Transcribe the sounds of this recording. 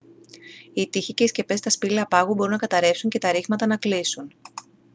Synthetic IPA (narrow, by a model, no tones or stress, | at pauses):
it̪içice̞isce̞pe̞st̪ɐspiliɐpɐɣubo̞ɾunɐkɐt̪ɐɾe̞psuɲce̞t̪ɐɾiɣmɐt̪ɐnɐklisun